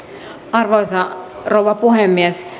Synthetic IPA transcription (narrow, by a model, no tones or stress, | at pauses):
ɑrʋoisɑrowʋɑpuɦemːies